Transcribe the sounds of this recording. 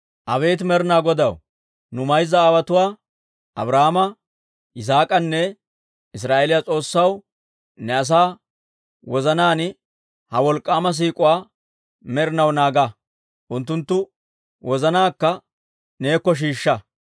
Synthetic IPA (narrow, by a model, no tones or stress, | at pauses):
ʔɐβe̞ːt̪̬mɛɾɪnaːɡɔd̪ɐw | nʊmɐjzːɐːwɐt̪ʊwaː | ʔɐ̰bɾahamɐ | ɪs̬aːkʼɐnːɛ | ɪs̬ɾaːʔelɪjat͡sʼo̞ːsːɐw | nɛɐs̬aː | wɔzɐnaːn | hɐwɔlkʼːaːmɐs̬iːkʼʊwaː | mɛɾɪnɐwnaːɡɐ | ʔʊnt̪̬ːʊnt̪ːʊ | wʔɔzɐnaːkːɐ | neːkːɔʃ̬iːʃːɐ